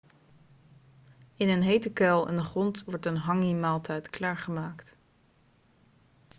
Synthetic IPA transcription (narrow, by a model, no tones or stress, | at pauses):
ɪnənɦejtəkɛlˠɛ̰ndəχrɔntʋɔɹtənɦɑŋimaːlˠtʰɛjtklaːɹχəmaːkt